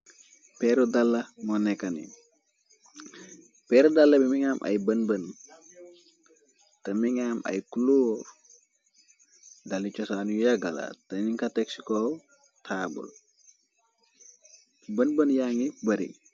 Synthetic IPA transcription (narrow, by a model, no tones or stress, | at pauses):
peɾod̪alːamɔnɛkanḭ | peɾod̪alːɐbimiŋamʔa̰jbənbən | t̪əmiŋamʔa̰jkuluɾ | dalit͡ʃɔsaːnujaɡɐla̰t̪əniŋkʰat̪eksikow | t̪ʰaːbṵl | bənbənjaŋibəɾḭŋ